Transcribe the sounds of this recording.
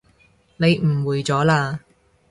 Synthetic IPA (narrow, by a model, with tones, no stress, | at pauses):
ne˨˧jm̩˨˩wuː˨˩jt͡sɔː˨˥laː˧